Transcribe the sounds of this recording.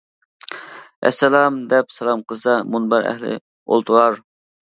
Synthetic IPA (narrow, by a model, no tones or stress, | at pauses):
ʔɛ̰sːɛlˠɑmd̪ɛpsɛlˠɑmqʰəzsɑmunbɑɾɛ̰hlɪ̰ | o̰lˠt̪ʰuɾɑɾ